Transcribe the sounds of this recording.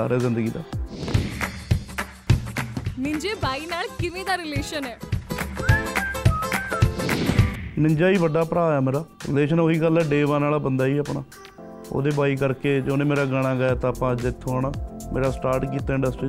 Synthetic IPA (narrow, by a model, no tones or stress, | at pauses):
aːɾɛːzɪnd̪əɡiːd̪a̰ː | mɪ̃ɲd͡ʒeːbaːiːnaːlkɪʋẽːd̪aːɾɪleːʃənɛː | nɪ̃ɲd͡ʒaːiːʋəɖaːpəɾaːaːmeːɾaːɾɪ̰leːʃənoɦiːɡəlːɛːɖeːʋaːnaːlaːbənd̪aːiːəpɳaː | o̰ːd̪eːbaːiːk̬əɾkeːd͡ʒoːnẽːmeːɾaːɡəɽ̃ãːɡːjaːt̪ãːpãːd͡ʒɪt̪ʰːõaːnaːmeːɾaːsʈaːɾʈk̬iːt̪aːɪɳɖəsʈɾiː